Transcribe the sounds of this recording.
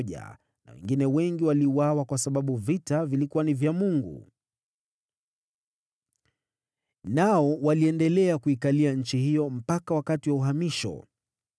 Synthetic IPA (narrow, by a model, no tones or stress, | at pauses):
ʄa̰ | na̰wɛ̰ŋɡinɛwɛŋɡiwaliuwawakwasaɓaɓuvitavilikuwanivjamuŋɡṵ | naɔwaliɛndɛlɛakuikaliaɲ̩t͡ʃihijɔm̩pakawakatiwauɦamiʃɔ̰